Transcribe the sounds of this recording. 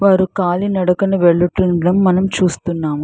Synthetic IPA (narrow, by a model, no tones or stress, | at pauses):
ʋaːɾukaːlinɐɽɐkɐnuʋɛɭːɐʈːunɐɽɐmːɐnɐmt͡ʃuːst̪unːaːmu